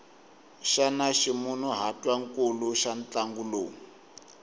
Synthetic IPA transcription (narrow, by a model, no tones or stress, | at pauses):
ʃanaʃimunuɦatwaŋkuluʃant͡ɬaŋɡuloːŋ